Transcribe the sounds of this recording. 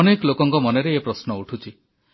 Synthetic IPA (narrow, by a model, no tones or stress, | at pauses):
nekɔlokɔŋkɔmɔneɾeepɾɔsnɔuʈʰut͡ʃʰi